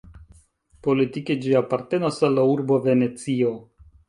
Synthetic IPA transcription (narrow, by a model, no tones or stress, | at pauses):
po̞litiked͡ʒiapaɾte̞nasalːauɾbove̞ne̞t͡sio̞